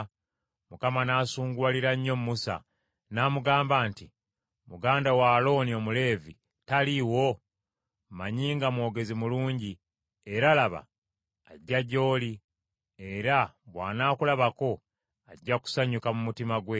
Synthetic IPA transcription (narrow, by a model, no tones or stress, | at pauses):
mukamanaːsuːŋɡwaliɾaɲːo̞mumːusa̰ | naːmuɡaːmbaːnti | muɡaːndawalo̞nio̞mule̞ːvi | taliwo̞ | maɲiːŋɡamwo̞ːɡe̞zimuluːɲɟi | e̞ɾalaβa̰ː | ɟːaɟo̞ːli | e̞ɾaβwa̰ːnaːkulaβako̞ | aɟːaku̥saɲukamumutimaɡwe